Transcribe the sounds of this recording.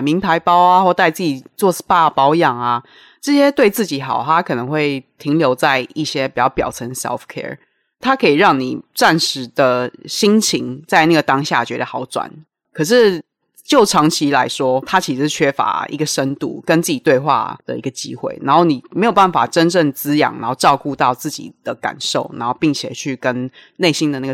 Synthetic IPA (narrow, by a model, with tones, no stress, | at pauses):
mi˧˥ŋt̪ʰa˧˥ɪpɑ˥ʊa˨xwɔ˥˧t̪a˥˧ɪt͡sɹ̩ɨ˥˩t͡ɕi˨˩t͡swɔ˥˧spa˥˩pɑ˧˥ʊjɑ˨˩ŋa˩ | ʈ͡ʂɤ˥˩ɕjɛ˥t̪we˥˧ɪt͡sɹ̩˥˩t͡ɕi˨˩˦xɑ˨˩ʊt̪ʰa˦˥kʰɤ˨˩nə˧˦ŋxwe˥˩ɪt̪ʰi˧˥ŋljo˧˥ʊt͡sa˥˧ɪi˥˩ɕjɛ˥pi˨˩t͡ɕjɑ˥˩pjɑ˨˩ʊt͡sʰə˧˥nsɛ̰˧˥fkʰɛ̰˧˥ɹ | t̪ʰa˥kʰɤ˧˥i˨˩ɻɑ˥˩ŋni˨˩t͡sa˥˩nʂɻ̩˧˥d̪ə˧ɕi˥ŋt͡ɕʰi˧˥ŋt͡sa˥˧ɪna˥˩ɡə˩t̪ɑ˥ŋɕja̰˥˩t͡ɕɥɛ˧˥d̪ə˧xɑ˧˥ʊt͡swa̰˨˩˦n | kʰə˨˩ʂ̬ɻ̩˥˩ | t͡ɕjo˥˩ʊʈ͡ʂʰɑ˧˥ŋt͡ɕʰi˧˥la˧˥ɪʂwɔ˥t̪ʰa˦t͡ɕʰi˧˥˧t͡ɕʰɥɛ˥fa̰˧˥˦ḭ˧ɡə˨ʂə˦nt̪ṵ˥˩kə˦nt͡s̩˥˩t͡ɕi˨˩t̪we˥˧ɪxwa̰˥˩d̪ə̰˩ḭ˧˥ɡə˧t͡ɕḭ˥xwḛ˥˩ɪna˧˦nxo˥˩ʊni˨˩me˧˥ɪjo˨˩ʊpa˥˩nfa̰˨˩ʈ͡ʂə˦nʈ͡ʂə˥˩ŋt͡sɹ̩˥jɑ̰˨˩ŋna̰˧˦nxo˥˧ʊʈ͡ʂɑ˥˧ʊku˥˧t̪ɑ˥˧ʊt͡sɹ̩˥˩t͡ɕḭ˨˩d̪̥ə˧˦ka̰˨˩nʂo˥˩ʊna̰˧˦nxo˥˧ʊpi˥˩ŋt͡ɕʰjɛ˨˩t͡ɕʰy˥˩kə˦nne˥˩ɪɕi˥nd̪ə˨na˥˩ɡə˨